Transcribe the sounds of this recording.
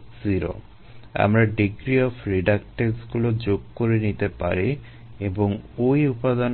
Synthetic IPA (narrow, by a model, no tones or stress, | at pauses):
ziɾo̰ | a̰mɾaɖiɡɾiɔfʰɾiɖak̚ʈesɡulod͡ʑoɡ̚koɾenit̪epa̰ɾi | eboŋojupad̪an